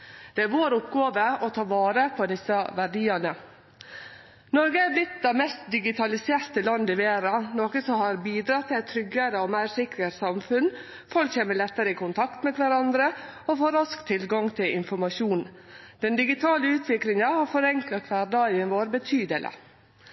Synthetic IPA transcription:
d̪̥ɛæɾʋoːɾʊpɡoːʋəɔt̪ʰɑːʋɑːɾəpʰɔd̪ɪsːəʋæɖiːɑnə | nɔɾɡəæɾblɪt̪̚d̪ɛmɛst̪̚d̪ɪɡɪt̪ʰɑlɪseːɾt̪əlɑnd̪ɪʋeːɾɑnoːkəsɔmhɑɾbiːd̪ɾɑt̪ʰːɪlɛt̪ʰːɾʏɡəɾəɔmæɪɾsɪkɾəɾsɑmfʉn | fɔlkçeːməlɛt̪ːəɾəɪkʰʊnt̪ʰɑkt̪mɛkʰʋæɾɑnd̪ɾəɔfoːɾɑskt̪ʰɪlɡɑŋt̪ʰɪlʔɪnfɔɾmɑʃuːnd̪̥ɛnd̪ɪɡɪt̪ʰɑːləʉːt̪ʰʋɪkɾɪŋɑhɑɾfɔɾɛŋklɑkʰʋæːɖɑənʋoːɾbət̪ʰyːd̪ələ̰

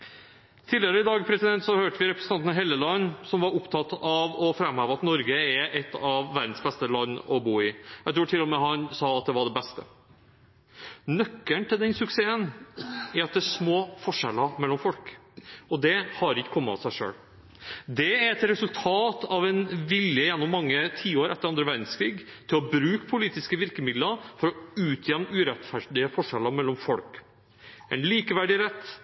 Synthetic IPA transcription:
t̪ʰiːlɪəɾəɪd̪ɑːɡəpʰɾɛsɪd̪ɛnt̪sɔhøːʈəʋɪɾɛpɾəsn̩ɑnnəɦɛlːəlɑnːsɔmʋɑɾʊpt̪ʰɑt̪ːɑʋɔfɾɛmhøːʋəɑt̪nɔɾɡəæʔɛt̪ːɑʋːæɾd̪n̩sbɛst̪əlɑnːɔbuːɪjæt̪ɾuːʈʰɪlːɔmɛɦɑnsɑːɑt̪̚d̪ɛʋɑɖɛbɛst̪ə̰ | nœkːəɳt̪ʰɪld̪ɛnsʉkseːənæɾɑt̪̚d̪ɛæʂmoːfɔʂɛlːəmɛlːɔmfɔlkɔd̪ɛhɑɾɪkːə̥kʰɔmːəɑsæɪʂø̰ːɽ | d̪ɛæɾɛt̪ɾɛsʉlt̪ʰɑːt̪ɑʋɛnʋɪljəjɛnːɔmːɑŋːət̪ʰiːoːɾʔɛt̪ːəɾɑnd̪ɾəʋæɾɖ̪n̩skʰɾiːɡt̪ʰɪlɔbɾʉːkpʰʊliːt̪ɪskəʋɪɾkəmɪd̪ləɾfɔɾɔʉːt̪ʰjɛmnʉːɾɛt̪fæɖɪəfɔʂɛlːɑmɛlːɔmfɔlk | ʔɛɪnliːkəʋæɖɪɾɛt̪ː

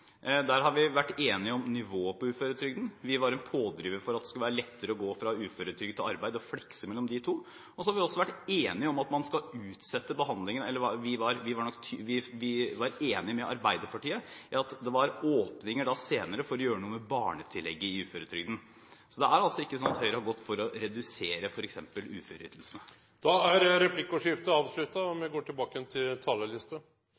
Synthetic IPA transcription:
d̪æɾɦɑɾʋɪʋæʈːeːnɪɔmnɪʋoːpʰɔʉːføːɾət̪ʰɾʏɡd̪n̩ʋɪʋɑɾɛnpʰoːd̪ɾiːʋəfɔɾɑt̪̚d̪ɛskʉləʋæːɾəlɛt̪ːəɾəɔɡoːfɾɑʉːføːɾət̪ʰɾʏɡd̪t̪ʰɪlɑɾbæɪd̪əɔflɪksəmɛlːɔmd̪ɪt̪ʰuː | ɔsɔhɑɾʋɪɔsːɔʋæʈːeːnɪɔmɑt̪mɑnskɑʉːt̪sɛt̪ːəbəɦɑnd̪lɪŋənɛlːəʋɑʋɪʋɑɾʋɪʋɑɳɔkːt̪ʰːʋɪʋɪʋɑɾeːnɪmɛʔɑ̰ɾbæɪd̪əɾpʰɑʈiːəɪɑt̪d̪ɛʋɑɾoːpnɪŋəɖɑseːnəɾəfɔɾɔjøːɾənuːəmɛbɑːɳət̪ʰɪlːɛɡːəɪʉːføːɾət̪ʰɾʏɡd̪n̩ | sɔd̪ɛæɾɑlsɔɪkːəsɔnːɑt̪hœʏɾəhɑɾɡɔt̪ːfɔɾɔɾɛd̪ʉseːɾəfɔɾɛksɛmpəlʉːføɾy̰ːt̪l̩sənə | d̪̥ɑæɾɾɛpʰlɪkːʊʂɪft̪əɑːʋslʉt̪ːɑɔmɛɡoːʈɪlbɑːkəjɛnt̪ʰɪlt̪ʰɑːləlɪst̪ə

